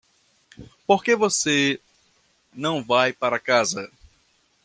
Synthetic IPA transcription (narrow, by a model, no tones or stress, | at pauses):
poɾkevose | nɐ̃w̃vajpaɾɐkazɐ